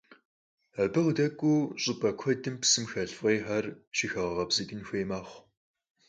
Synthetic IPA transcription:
ɐbɨʁdɐkʷʼːuːɕʼɪbʼɐkʷʰɔdɨmpsɨmxɐɮfʁeːħɐrʃixɐʁɐʁɐbziɡʲʼɪnxʷeːmaːχʷ

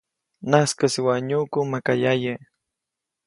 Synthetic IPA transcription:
naskəsiwaɲukumakajajə

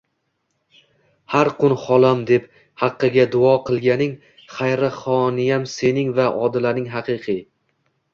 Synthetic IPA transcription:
haɾqʰʊnχɒlˠamd̪e̞p | hɑqːɨɡʲad̪ʊɒqʰɨlˠɡʲanɪŋ | χajɾɪχɒnɪjamse̞nɪŋvaʔɒd̪ɪlaɾnɪŋɦɑqʰɨqʰɨj

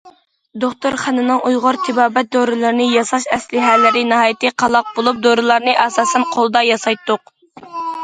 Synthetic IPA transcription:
d̪oχt̪oɾχænɨnɨŋʔujʁʊɾt̪ʰɪbɑːbɛt̪̚d̪oɾɨlˠɨɾnɨjɑsɑʃɛslɪɦælːɪɾɪnɪɦɑːjit̪ɨqʰɑlˠɑq̚bolˠup̚d̪oɾɨlˠɑɾnɨʔɑsɑːsɛnqʰolˠɨd̪ɑjɑsɑjt̪ʰːʊq

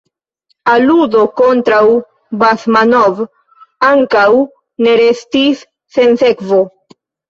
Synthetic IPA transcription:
aludo̞ko̞ntɾaw | basmanov | aŋkaw | ne̞ɾe̞stisː | e̞nse̞kvo

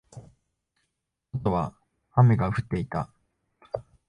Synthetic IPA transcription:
ot̪o̞βa | hame̞ɡaɸɯ̟t̪ːe̞it̪a̰

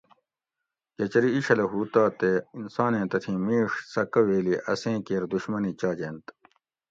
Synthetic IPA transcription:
d͡ʑɐt͡ɕɐɾiːɕɐlɐɦuːt̪aːt̪einsaːnẽːt̪ɐt̪ʰĩːmiːʂsɐkɐweːliʔɐsẽːkeːɾd̪uɕmɐnit͡ɕaːd͡ʑeːnt̪

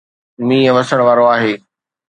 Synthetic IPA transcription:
mĩːɛ̃ʋɐsəɽ̃ʋaːɾoaːɦeː

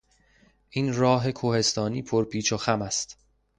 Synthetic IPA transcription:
ʔiːnɾɒːɦe̞kʰohe̞st̪ʰɒːniːpʰoɾpʰiːt͡ʃʰoxæmæst̪

